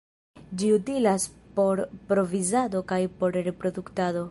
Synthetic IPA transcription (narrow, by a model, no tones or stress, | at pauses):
d͡ʒiutilaspo̞ɾpɾo̞vizado̞kajpo̞ɾɾe̞pɾo̞duktado̞